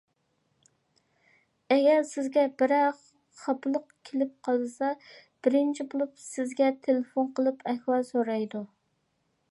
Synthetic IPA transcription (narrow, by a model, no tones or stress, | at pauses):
ɛɡʲɛɾsɪzɡʲɛbɪɾæ | χɑplˠəqkʲʰelɪp̚qʰɑlˠɨsɑb̥ɪɾɪnt͡ʃʰibolˠupsɪzɡʲɛt̪ʰelɪfonqəlˠɨpʰɛkʲwɑlˠsoɾɑjd̪u